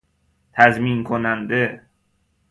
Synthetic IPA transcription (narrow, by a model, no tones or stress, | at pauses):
t̪ʰæzminkʰonænd̪e